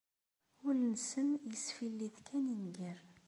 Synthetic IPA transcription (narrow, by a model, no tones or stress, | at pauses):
ʊlnəsəmjəsfilːiðkʰæninɡiɾˤ